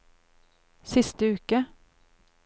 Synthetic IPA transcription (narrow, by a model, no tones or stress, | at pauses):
sɪst̪əʉːkə